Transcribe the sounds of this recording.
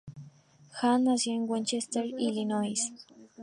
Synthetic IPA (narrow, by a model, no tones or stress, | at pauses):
xanːasjoŋwent͡ʃest̪eɾilinojs